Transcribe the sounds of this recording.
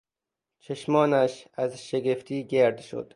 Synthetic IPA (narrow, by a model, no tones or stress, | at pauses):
t͡ʃʰeʃmɒːnæʃæzʃeɡeft̪ʰiːɡeɾd̪ʃo̰d̪̥